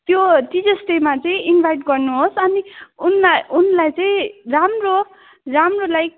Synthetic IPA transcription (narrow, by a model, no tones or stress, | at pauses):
t̪jotid͡zʌsʈemat͡sʌĩinbʱajʈɡʌrnuɦosʌniunaunlajt͡sʌĩramro | ramrolaj